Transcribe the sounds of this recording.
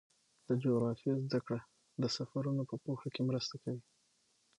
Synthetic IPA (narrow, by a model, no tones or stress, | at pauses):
d̪̥əd͡ʒoɣɾɑfiezd̪akɽa | d̪əsafaɾunopəpohakemɾəst̪akawi